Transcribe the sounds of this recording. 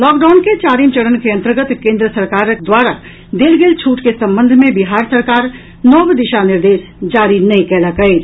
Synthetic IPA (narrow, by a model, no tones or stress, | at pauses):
lɔːkɖaːnket͡ʃaːɾiːmt͡ʃɐɽənkeɐ̃nt̪əɾɡət̪kẽːnd̪ɾəsɐɾkaːɾd̪waːɾa | d̪eːlɡeːlt͡ʃʰuːʈkesɐ̃mbə̃nd̪ʱmẽbɪɦaːɾsəɾkaːɾ | nɔːʋd̪ɪʃanɪɾd̪eːs | d͡ʒaːɾinɐĩkɛːlakɐeː